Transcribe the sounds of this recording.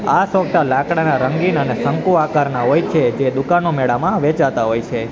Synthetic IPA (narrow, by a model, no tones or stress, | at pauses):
asʋək̚t̪alakɽanaɾəŋɡinənesəŋkuakaɾnaɦojt͡ʃʰed͡ʒed̪ukanomɛɽamãʋet͡ʃat̪aɦojt͡ʃʰe